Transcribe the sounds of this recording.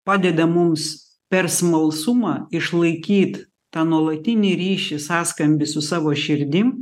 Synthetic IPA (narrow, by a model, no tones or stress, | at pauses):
pɑːd̪ʲɛd̪ɐmʊms | pʲɛɾsmɐlˠsʊmɑːɪʃlˠɐɪkʲiːt̪ | t̪ɑːnuɔlˠɐt̪ʲɪnʲɪɾʲiːʃʲɪsɑːskɐmʲbʲɪsʊsɑːʋoːʃʲɪɾʲd̪ʲɪm